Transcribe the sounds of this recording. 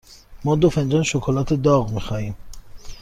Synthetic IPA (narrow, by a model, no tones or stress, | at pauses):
mɒːd̪ofend͡ʒɒːnʃokʰolɒːt̪ʰed̪ɒːɣmiːxɒːhiːm